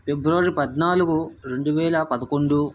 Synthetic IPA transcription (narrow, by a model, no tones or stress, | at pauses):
pebɾuʋɐɾipɐd̪naːluɡuɾe̞ɳɖuʋɛːlɐpɐd̪ɐkoɳɖu